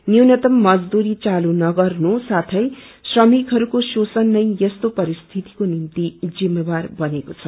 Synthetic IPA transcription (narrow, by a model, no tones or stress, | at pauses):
njwnʌt̪ʌmːʌd͡zd̪uɾit͡salunʌɡʌrnusat̪ʰʌjsrʌmikɦʌɾukososʌnːʌjʌst̪opʌɾist̪ʰit̪i̥konimt̪id͡zimːebarbʌnekot͡sʰʌ